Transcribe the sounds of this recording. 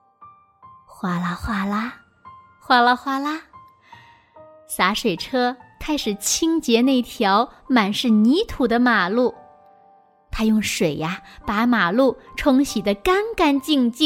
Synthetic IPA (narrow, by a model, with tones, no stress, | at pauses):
xwa˥˩la˧xwa˥˩la˥ | xwa˥˧lə˧xwa˥˩la˥ | sa˧˥ʂwe˨˩ɪʈ͡ʂʰɤ˥kʰa˥ɪʂɻ̩˨˩t͡ɕʰi˥ŋt͡ɕjɛ˧˥na˥˩i˥˧˩t̪ʰjɑ˧˥ʊma˨˩nʂɻ̩˥˩ni˧˥t̪ʰu˨˩d̪ə˦ma˨˩lu˥˩ | t̪ʰa˥jʊ˥˩ŋʂwe˨˩ɪa˦pa˧˥ma˨˩lu˥˩ʈ͡ʂʰʊ˧˥ŋɕi˨˩d̪ə˦ka˥nka˥nt͡ɕi˥˧ŋt͡ɕi˥˩